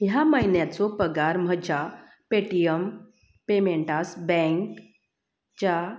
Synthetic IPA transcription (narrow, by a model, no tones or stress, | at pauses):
jaməjnjat͡sɔpəɡaɾm̤əd͡ʑa | peʈijəm | pemeɳʈasbɛ̃ŋk | t͡ɕa